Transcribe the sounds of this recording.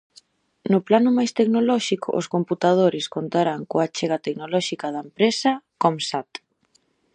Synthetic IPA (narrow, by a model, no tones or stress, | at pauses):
nʊplanʊmajst̪eknolɔʃikʊ̰ʔo̰skomput̪að̞oɾɪskont̪aɾaŋkoat͡ʃeɣ̞at̪eknolɔʃikaðɐempɾesɐkomsat̪